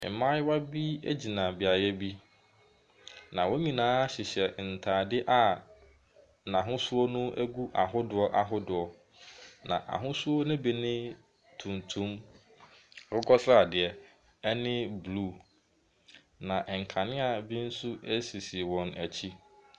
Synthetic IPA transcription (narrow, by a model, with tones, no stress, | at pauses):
ɪ̰˨mã˦jwa˦bi˦æ˦d͡ʑi˨nã˨bɪ˨a˨jɛ˦bi˦ | nã˨wɔ˦ɲĩ˨nãː˦ɕɪ˨ɕɛ˨n̩˨tʰaː˨dɪ˦ʔa˨ | nã˨ɦʊ̃˦su˦o˦nʊ̃˦ʔæ˦ɡu˦ʔa˨ɦʊ˦dʊ˨ɔ˦ʔa˨ɦʊ˦dʊ˨ɔ˨ | nã̰˨ʔa̰˨ɦʊ̃˦su˦o˦nʊ̃˦bi˨nɪ̃˦ | tʰũ˨ntʰũ˦m | ɾʊ˦ɡɔ˦sɾa˨dɪ˨ɛ˨ | ɛ˦nɪ̃˦bluː˦˨ | nã˨ʔŋ̩˨kʰã˨nɪ̃˦a˨bi˦n̩˦su˦æ˦si˨si˨wɔ̃˨næ˨t͡ɕʰi˦